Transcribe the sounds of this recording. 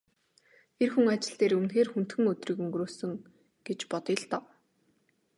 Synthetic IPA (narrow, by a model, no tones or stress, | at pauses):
erxuŋat͡ɕɪ̆ɬt̪eːɾɵmnxeːrxun̥t̪xɘ̆ŋɵt̪riːkɵŋɡroːsɵ̆ŋ | ɡ̥et͡ɕpɔt̪ɪ̆ɮt̪ɔː